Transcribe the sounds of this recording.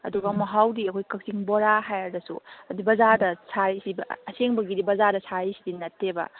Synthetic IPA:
ɐ̰duɡɐmɐɦawdiɐkʰojkɐk̚siŋboɾaɦajaɾdɐsṵɐdibɐzadɐsʰaɾisibɐɐseŋbɐɡidibɐzadɐsʰaɾisidinɐtʰːebɐ̰

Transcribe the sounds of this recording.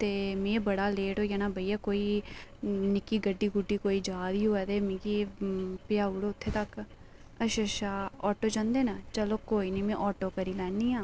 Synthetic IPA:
t̪eːmẽːbəɽaːleːʈoːjaːnaːbəiːaːkoːiː | nɪkiːɡəɖːiːɡuʈːiːkoːiːd͡ʒaːd̪iːɦoːɛːt̪eːmẽːkiːpɪjaːʊɽʊt̪ʰːeːt̪ək | əʃəʃaːɔːʈoːd͡ʒãːnd̪eːnat͡ʃəloːkoːiːnĩːmɛ̃ːʔɔːʈoːkəɾiːlɛːnd̪iːãː

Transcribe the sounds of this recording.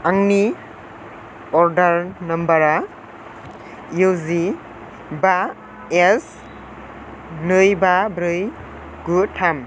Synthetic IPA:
aŋni | ɔɾdɐɾnɐmbɐɾa | jzi | ba | es | nɯjbabɾɯj | ɡutʰam

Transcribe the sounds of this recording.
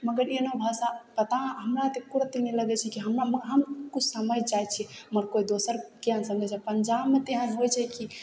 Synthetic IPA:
məɡəɾenobʱasapət̪aɦəmɾat̪ekuɾət̪iniləɡɛt͡ʃʰɛkiɦəmɾamɦəmkut͡ʃʰsəməjd͡ʒajt͡ʃʰɛməɾkoid̪osəɾkeɦənsə̃ŋɡɛt͡ʃʰɛpəɲd͡ʒabmet̪eɦənɦojt͡ʃʰɛki

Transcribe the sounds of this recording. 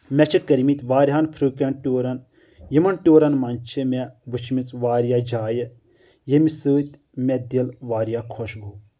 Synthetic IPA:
mʲɛt͡ʃʰikəɾmit̪ʲʋaːɾʲɦaːnfʰɾɨːkenʈʲoːɾɐn | jɐmɐnʈʲoːɾɐnmɐnt͡ʃʰɨmʲeʋɨt͡ʃʰmit͡sʋaːɾijaːd͡ʒaːjə | jemisəːt̪ʲ | mʲɛd̪ilʋaːɾjakʰɔʃɡoː

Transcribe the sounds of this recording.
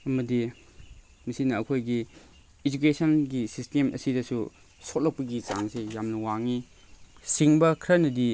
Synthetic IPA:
ɐmɐdi | misinɐːkʰojɡiː | d͡ʒukesʰɐnɡisistemʔɐ̰sidɐsu | sot̚lɐk̚pɐɡit͡ʃaŋsejamnɐwaŋi | siŋbɐkʰɾɐnɐdi

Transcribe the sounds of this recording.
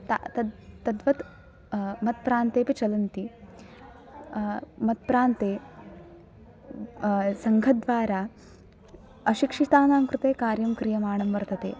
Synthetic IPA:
t̪a̰ɐt̪ɐd̪ʋɐt̪ | mɐt̪̚pɾaːnt̪eːpit͡ʃɐlɐnt̪i | mɐt̪̚pɾaːnt̪eː | sɐŋɡʱɐd̪ʋaːɾaː | ɐʃikʂit̪aːnaːŋkɾut̪eːkaːɾjɐmkɾijɐmaːɳɐmʋɐɾt̪ɐt̪ḛː

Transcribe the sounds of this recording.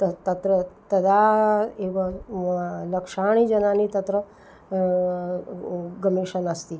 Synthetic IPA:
t̪ɐt̪ɐt̪ɾət̪ɐd̪ʱaeːʋɐ | lɐkʂaːɳ̃iːd͡ʒɐnanit̪ɐt̪ɾə | ɡɐmeːʃɐnɐst̪iː

